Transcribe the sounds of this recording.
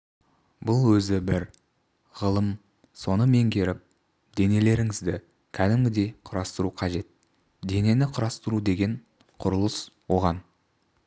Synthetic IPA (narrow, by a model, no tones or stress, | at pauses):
bʊlˠwɵzɪbɪɾ | ʁəlˠəm | so̞nəme̞ŋkʲʰe̞ɾɪp̚ | d̪e̞ne̞le̞ɾɪŋɪzd̪ɪ | kʲʰæd̪ɪmɡʲɪd̪e̞qʰʊɾɑst̪əɾuqʰɑʒe̞t̪̚ | d̪e̞ne̞nɪqʰʊɾɑst̪əɾud̪e̞ɡʲe̞ɴ | qʰʊɾəlˠəswo̞ʁɑn